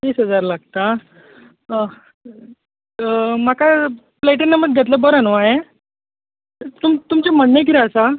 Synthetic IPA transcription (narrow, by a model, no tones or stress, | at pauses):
t̪iːsɦəd͡zaɾlaɡ̚t̪a | m̤aka | pleʈənːəməɾ̚ɡʱet̪ləbəɾənoaɦe | t̪umt̪umt͡ɕam̤əɽnejkiɾaəsa